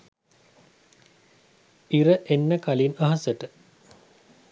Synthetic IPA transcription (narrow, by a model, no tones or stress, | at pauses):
iɾəʔenːəkalinaɦɐsəʈə